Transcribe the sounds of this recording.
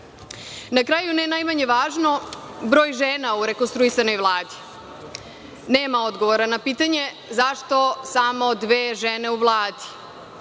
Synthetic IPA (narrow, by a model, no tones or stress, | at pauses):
nakɾaːjunenajmaɲe̞ʋaːʒno̞ | bɾo̞ːjʒeːnauɾe̞konst̪ɾuisano̞jʋlˠaːd̪i̥ | neːmao̞d̪ɡo̞ʋoɾanapiːt̪aɲe̞ | zaʃt̪o̞samo̞d̪ʋeːʒene̞uʋlˠaːd̪i̥